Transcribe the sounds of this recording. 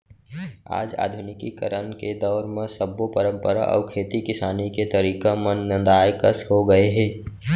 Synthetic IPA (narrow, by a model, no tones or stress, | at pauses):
a̰ːd͡ʒa̰ːd̪ʱʊnɪkikə̰ɾənked̪ɔːɾmẽsəbːopəɾə̃mpəɾa̰ʔɔ̰ːɾkʰeːt̪ikɪsaːniket̪əɾiːkamənːə̃nd̪aːjkəsɦoɡəeɦɛː